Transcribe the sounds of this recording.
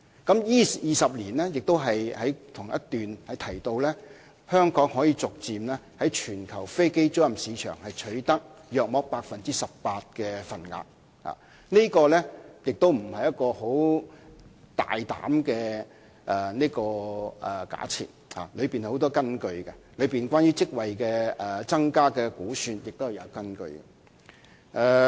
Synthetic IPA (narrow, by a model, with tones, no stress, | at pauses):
kɐ˨˥mjiː˥jiː˨˩sɐ˨p̬̚liː˨˩nlɛː˥jɪ˨k̚t̪o˥wɦɐ˨jhɐ˨˥jt̪ʰʊ˨˩ŋjɐ˦˥t̪yː˨nhɐ˨jt̪ʰɐ˨˩jt̪o˧wlɛː˥ | hœː˥ŋkɔː˨˥ŋhɔː˨˥jiː˧t͡sʊ˨k̚t͡siː˨mlɛː˥ | hɐ˨˥jt͡ʃʰyː˨˩nkʰɐ˨˩wfe˥jke˥jt͡sʊ˥wjɐ˨msiː˨˧t͡ʃʰœ̰ː˨˩ŋhɐ˨jt͡ʃʰɵ˨˥ɥt̪ɐ˥k̚jœː˨k̚mɔː˨˧˥k̚paː˧k̚fɐ˨nt͡siː˥sɐ˨ppaː˧t̚kɛː˧fɐ˨nŋa̰ː˧k̚ | ha̰ː˨˩ | neː˥kɔː˧lɛː˥jɪ˨k̚t̪o˥wm̩˨˩hɐ˨jɐ˥t̚kɔː˧ho˨˥w | t̪a̰ː˨jt̪a̰ː˨˥mkɛː˧ | ʔɛ˨˩niː˥kɔː˧ɛ˨˩ka̰ː˨˥t͡sʰḭː˨n̚ha̰ː˨lɵ˨˧ɥpiː˨n˨ho˨˥wt̪ɔː˥kɐ˥nkɵ˧ɥkɛ˧lɵ˨˧ɥpiː˨nkʷwaː˥njyː˥t͡sɪ˥k̚wɐ˨jkɛː˧ɛ˨˧t͡sɐ˥ŋkaː˥kɛː˧kuː˨˥syː˧njɪ˨k̚t̪o˥whɛ˨˩jɐ˨˧wkɐ˥nkɵ̰˧ɥkɛ̰˧ | ʔɛː˧